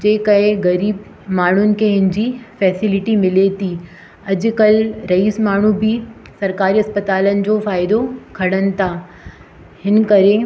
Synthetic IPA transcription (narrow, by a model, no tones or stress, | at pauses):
d͡ʑeːkɐɦeɣɐɾiːb | maːɳ̤ʊnɪ̆kʰeɦɪnɪ̆d͡ʑiːfɛːsɪlɪʈimɪlet̪ʰiː | ɐd͡ʑʊ̆kɐlɾɐiːsmaːɳ̤ubʱi | sɐɾkaːɾiɐspət̪aːlənɪ̆d͡ʑoːfaːɪd̪okʰɐɽ̤ənɪ̆t̪ʰaː | hɪn̆kɐɾe